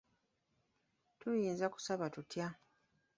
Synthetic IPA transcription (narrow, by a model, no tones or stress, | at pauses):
tujiːnzaku̥saβatutja